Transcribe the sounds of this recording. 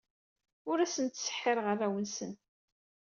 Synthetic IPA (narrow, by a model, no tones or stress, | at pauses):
ʊɾæsənt̪sə̥ħːɪɾʁərˤːæwənsən